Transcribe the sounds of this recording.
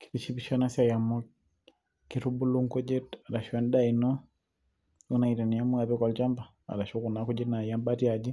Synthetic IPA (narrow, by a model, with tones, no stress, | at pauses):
ki̥˨pi˨t͡ʃi˦biʃa˦na˦sia˨ja˨mɔ˦k | ki˨tu˦bu˦lu˦ŋkɔ˦d͡ʒe˦ta˨la˨ʃa˦n˦da˦i˨nɔ˦ | u˦na˨i˨ta˨ni˨a˦mu˦a˨bɛ˦kɔ˨lt͡ʃa˦mba˨ | a̰˨la˨ʃo˦ku˨na˦ku˦d͡ʒɛ˦na˨ja˦mba˦ti˦a˨d͡ʒi˦